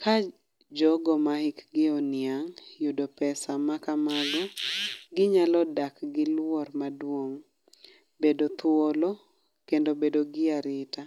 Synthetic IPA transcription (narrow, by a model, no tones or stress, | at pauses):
kʰa | d͡ʒɔɡɔmahɪkɡɪɔnɪaŋjodopɛsamakamaɡɔɡɪɲalɔdakɡɪlwɔrmadwoŋ | bedot̪wolo | kendobedoɡɪaɾɪta